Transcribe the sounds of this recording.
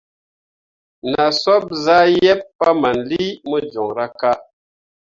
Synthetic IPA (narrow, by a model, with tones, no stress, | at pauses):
na˨sɔ˦p̚za˦jɛ˦pːa˦ma˨n˨li˦mə˦d͡ʒɔ˨ŋɾa˦ka˦